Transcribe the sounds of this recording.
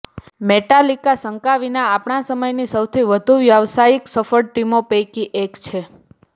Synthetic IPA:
meʈalikasəŋkaʋinaapɳasəməjnisəwt̪ʰiʋəd̪ʱuʋjaʋsaiksəfəɽ̚ʈimopejkiʔekt͡ʃʰe

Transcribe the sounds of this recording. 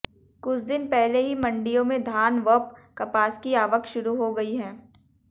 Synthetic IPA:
kʊt͡ʃʰd̪ɪnpɛɦleɦimɐ̃ɳɖijõmẽd̪ʱaːnʋəp̚kɐpaːskiaːʋəkʃʊɾuɦoɡɐiɦɛ̃ː

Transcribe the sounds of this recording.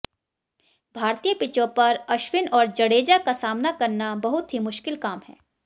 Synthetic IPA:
bʱaːɾt̪ijəpɪt͡ʃõpɐɾɐʃwɪnɔːɾd͡ʒɐɽeːd͡ʒakasaːmnakɐɾnabɐɦʊt̪ɦimʊʃkɪlkaːmɦɛ̰ː

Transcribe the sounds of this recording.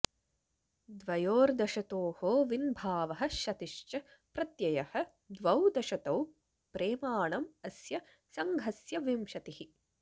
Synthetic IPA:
d̪ʋɐjoːɾd̪ɐʃɐt̪oːhoːʋinbʱaːʋɐɦɐ̆ʃɐt̪iʂt͡ʃɐpɾɐt̪jɐjɐhɐ̆ | d̪ʋɐwd̪ɐʃɐt̪ɐw | pɾeːmaːɳɐmɐsjɐ | sɐŋɡʱɐsjɐʋimʃɐt̪ihi

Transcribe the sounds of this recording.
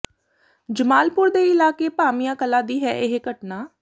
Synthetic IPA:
d͡ʒəmaːlpʊɾd̪eːɪlaːkeːpaːmɪjãːkəlaːd̪iːɦɛːʔɪɦɡəʈnaː

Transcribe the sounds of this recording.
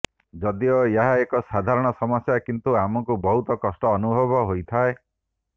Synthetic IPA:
d͡ʒɔd̪iɔeɦaekɔsad̪ʱaɾɔɽ̃ɔsɔmɔsjakint̪uamɔkubɔɦut̪ɔkɔsʈɔːnubʱɔbɔɦojt̪ʰae

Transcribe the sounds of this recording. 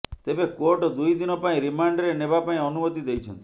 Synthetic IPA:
t̪ebekoɾʈɔd̪ujd̪inɔpaĩɾimaɳɖɾenebapaĩɔnumɔt̪id̪ejt͡ʃʰɔ̰nt̪i̥

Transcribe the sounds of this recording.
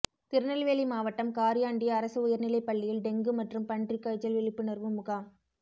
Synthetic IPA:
t̪ɪɾɯnɐlʋeːlimaːʋɐʈːɐmkaːɾɪjaːɳɖɪjɐːɾɐsɯʊjɐɾnɪlɐɪpːɐɭːɪjɪlɖɛŋɡɯmɐʈrɯmpɐɳɖrikːɐɻt͡ʃːɐlʋɪɭɪpːɯnɐrʋɯmʊɣaːm

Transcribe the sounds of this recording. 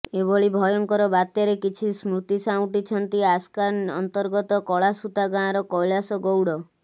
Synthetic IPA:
ebɔɭibʱɔjɔŋkɔɾɔbat̪jɔɾekit͡ʃʰismɾut̪isaw̃ʈit͡ʃʰɔnt̪iaskanɔ̰nt̪ɔɾɡɔt̪ɔkɔɭasut̪aɡãɾɔkɔjlasɔɡowɽɔ

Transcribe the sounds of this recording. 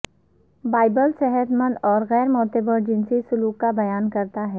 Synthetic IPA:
baːɪbəlsɛɦət̪mə̃nd̪ɔːɾɣɛːɾmɔːt̪ebəɾd͡ʒɪnsisʊluːkːabɐjaːnkɐɾt̪aɦɛː

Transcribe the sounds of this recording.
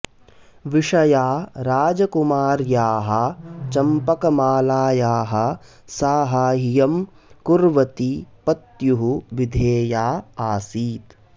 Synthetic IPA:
ʋiʂɐjaːɾaːd͡ʒɐkumaːɾjaːɦɐt͡ʃɐmpɐkɐmaːlaːjaːɦɐ̆ | saːɦaːɦijɐm | kuɾʋɐt̪ipɐt̪juɦuʋid̪ʱeːjaːaːsiːt̪

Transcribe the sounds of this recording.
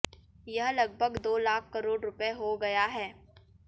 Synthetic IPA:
jɐɦlɐɡ̚bʱəɡd̪oːlaːkʰkɐɾoːɖɾʊpeɦoɡɐjaɦɛː

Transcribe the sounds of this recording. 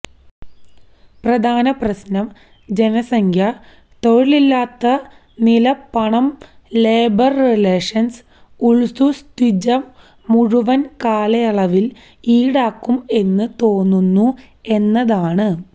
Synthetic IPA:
prɐd̪ʱaːnɐprɐsnɐm | d͡ʑe̞nɐsɐŋkʰjɐ | t̪o̞ɻiɭilːaːt̪ːɐ | nilɐpːɐɳɐm | leːbɐrːileːʂɐns | uɭsust̪id͡ʑɐ | muɻuʋɐnkaːlɐjɐɭɐʋil | iːɽaːkːume̞nːɨt̪o̞ːnːunːu | e̞nːɐðaːɳɨ

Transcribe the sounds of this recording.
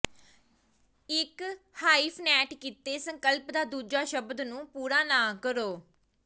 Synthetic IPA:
ɪk | haːipʰnɛːʈkiːt̪eːsəŋkəlpd̪aːd̪uːd͡ʒaːʃəbd̪nũːpuːɾaːnãːkəɾoː

